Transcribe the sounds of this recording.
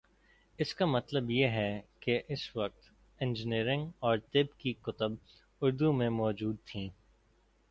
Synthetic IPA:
ɪskamɐt̪ləbjeɦɛkeʔɪsʋɐq̚t̪ | ɛ̃nd͡ʒəniːɾɪ̃ŋɡɔːɾt̪ɪbkikʊt̪əb | ʊɾd̪umẽmɔːd͡ʒuːd̪̚t̪ʰĩː

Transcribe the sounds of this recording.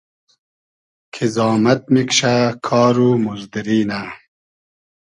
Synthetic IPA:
kʰizɑːmɐt̪̚mikɕakʰɑːɾumuzd̪iɾiːna

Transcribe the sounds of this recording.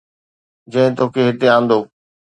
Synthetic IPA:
d͡ʑɐ̃ɦɪ̃t̪oːkʰeɦɪt̪eãːn̆d̪oː

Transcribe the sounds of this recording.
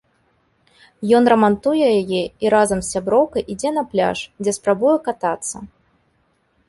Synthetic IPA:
jɔnrɐmant̪ujɛjajɛiɾazɐmsʲsːʲabɾɔwkɐjʔid͡zʲɛnɐplʲa̰ʂd͡zʲɛspɾabujɛkat̪at̪sːɐ̰

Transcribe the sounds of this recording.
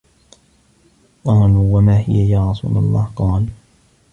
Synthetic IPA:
ʔɑːluːwamaːhɪ̰jajaːɾˤɑsṵːla̰lˤːɑ̰ːhqɑːl

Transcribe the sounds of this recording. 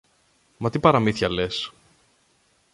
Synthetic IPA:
mɐt̪ipɐɾɐmiθçɐles

